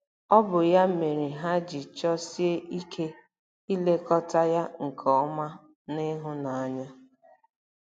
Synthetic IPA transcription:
ɔ˦bʊ˨ja˦me˨ɾi˨ɦa˦d͡ʒi˨t͡ʃɔ˦si˦e˦ʔi˦kʰe˦ | i˦le˦kɔ˦ta˦ja˦ŋ̩˨kʰɔ˨ɔ˦ma˦ | nɪ˦ɦʊ˦na˨a˦ɲa˦

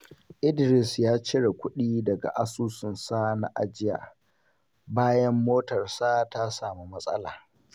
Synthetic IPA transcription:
ʔɪ˦dɾɪ˨sjaː˦t͡ʃɪ˦ɽa˨kʷʊ˦ɗiː˦dɐ˨ɡa̰˨ʔa˦suː˦sʊ˨nsaː˦na̰˦ʔa˨d͡ʒɪ˦ja̰ː˨ | baː˦jɐ˦mːoː˦tɐ˨rsaː˦ta˦saː˨mi˦mɐ˦sʼɐ̰˦la̰ː˨

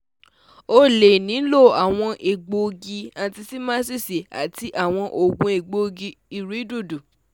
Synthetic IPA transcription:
o˦le˨nĩ˨˦lo˦˨a˨w̃ɔ̃˧ʔe˨ɡ͡bo˧ɡi˧ã˧˨ti˧si˦mãː˦si˦˨se˨a̰˨ti˧ʔa˦˨w̃ɔ̃˧ʔo˨ɡũ˨˧e˨ɡ͡bo˧ɡi˧i˨ɾu˨˦i˦du˦˨du˨

